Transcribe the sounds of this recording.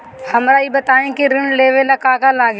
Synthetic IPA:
hɐmɾaːibɐt̪aːẽkiɾɪnleːʋelɐkaːkalaːɡ

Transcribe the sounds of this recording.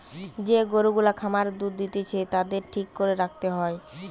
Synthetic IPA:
d͡ʑeɡoɾuɡulakʰamaɾd̪uɾd̪it̪et͡ɕʰet̪ad̪eɾʈʰikːoɾeɾak̚ʰt̪eɦɔe

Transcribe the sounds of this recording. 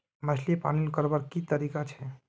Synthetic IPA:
mət͡ʃʰliepa̰nilkəɾbəɾkit̪əɾikat͡ʃʰɛ

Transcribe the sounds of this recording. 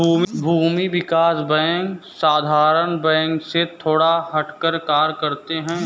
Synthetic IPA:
uːbʱuːmiʋɪkaːsbɛ̃ːŋksaːd̪ʱaːɾəɳbɛ̃ːŋkset̪ʰoːɽaɦɐʈkəɾkaːɾkɐɾt̪eɦɛ̃ː

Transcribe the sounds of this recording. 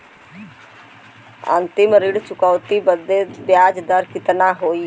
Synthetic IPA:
ə̰nt̪ɪmɾɪɽt͡ʃʊkəːt̪ibəd̪ebjaːd͡ʒd̪əɾkɪt̪naːɦoːiː

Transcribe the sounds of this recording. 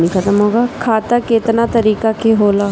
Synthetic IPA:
nikʰɐt̪əmɦoːɡaːkʰaːt̪akɪt̪nat̪əɾiːkakeɦoːlaː

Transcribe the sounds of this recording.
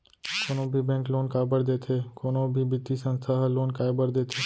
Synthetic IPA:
koːnõbʱibɛ̃ːŋkloːnkaːɪbəɾd̪eːt̪ʰeːkoːnõbʱibɪt̪ːisə̃nst̪ʰaɦloːnkaːebəɾd̪eːt̪ʰeː

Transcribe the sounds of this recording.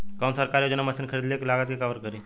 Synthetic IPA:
kaːnsəɾkaɾjod͡ʒənamɐsinkʰəɾid̪leklaːɡət̪kekaʋəɾkəɾi

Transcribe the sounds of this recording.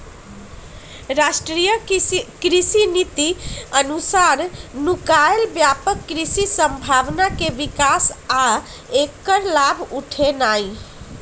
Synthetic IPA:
ɾasʈɾijəkɾisinit̪iənusaɾnukaelbjapəkːɾisisəmbʱaʋnakeʋikasa | ekːəɾlabʱuʈʰenaj

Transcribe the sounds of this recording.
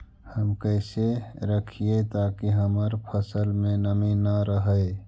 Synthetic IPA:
həmkəɪseɾəkʰiet̪aːkiɦəməɾpʰəsəlmẽnəminaɾəɦəe

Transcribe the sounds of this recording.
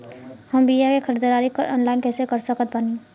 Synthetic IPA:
həmbijakekʰəɾd̪əɾaːɾikəɾɔ̰ːnlaːɪnkɛːsekəɾsəkət̪̚banẽː

